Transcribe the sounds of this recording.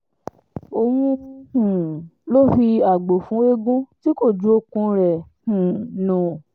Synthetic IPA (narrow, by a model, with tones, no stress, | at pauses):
o˧mũ˧hũ˨lo˦fi˧a˨ɡ͡bo˨fũ˨˦e˦ɡũ˦ti˦ko˦˨d͡ʒu˨˦o˦˨kũ˧ɾɛ˨hũ˨nũ˨